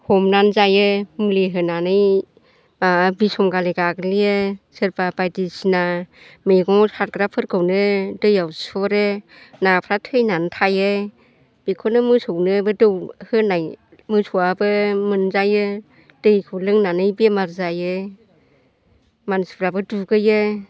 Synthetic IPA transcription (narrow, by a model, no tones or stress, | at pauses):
hɔmnanzajɯmuliɦɯnanɯj | abisɔmɡaleɡaɡlijɯsɯɾbabajdisina | mejɡɔŋhaɾɡɾapʰɯɾkʰɯwnɯdɯjawsɔɾɯ | napʰɾatʰɯjnantʰajɯ | b̥ikʰɔnɯmɯsɯwnɯbɯdɯwhɯnaj | mɯsʰuwabɯmɯnzajɯ | d̥ɯjkʰɯwlɯŋnanɯjbemaɾzajɯ | mansi̥pʰɾabɯduɡɯjɯ